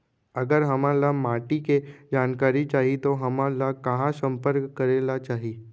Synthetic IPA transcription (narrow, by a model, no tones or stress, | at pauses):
ɐɡəɾɦɐmãlamaːʈiked͡ʒaːnkaːɾit͡ʃaːɦit̪oɦɐmãlakɐɦãsə̃mpəɾkːɐɾeːlat͡ʃaːɦiː